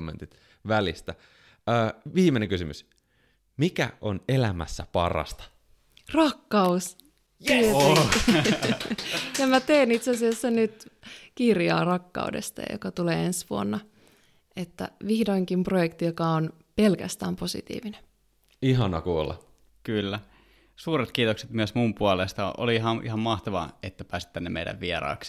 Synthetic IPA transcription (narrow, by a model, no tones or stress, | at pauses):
mːḛ̃nt̪it̪ | ʋælist̪æ | əːʋiːmeneŋkysymys | mikæ̰ʔonelæmæ̰sːæpɑ̰rɑ̰st̪ɑ̥ | rɑkːɑus | t̪ie | jɑmæt̪eːnit̪seɑsiɑsːænyt̪kirjɑ̰ːrɑkːɑ̰udḛst̪ɑ̰jɑ̰jo̰kɑt̪ulḛːensʋuonːɑ | et̪ːæ̰ʋihdoiŋkimprojekt̪ijokɑon | pelkæ̰st̪æːmposḭt̪ḭːʋinen | iɦɑnɑ̰kuo̰lːɑ̰ | kylːæ | suːɾet̪kiːt̪okset̪myøsmumpuolest̪ɑo̰liiɦɑʔḭhɑmmɑht̪ɑʋɑ̰et̪ːæpæːsi̥t̪ænːemḛidæ̰ʋʋieɾɑ̰ːks